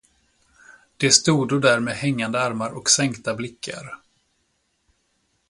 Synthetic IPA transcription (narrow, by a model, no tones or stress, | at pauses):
d̪̥ɛst̪uːd̪od̪æɾmeːhɛŋːand̪əaɾmaɾʔɔksɛŋkt̪ablɪkʰːa̰ɾ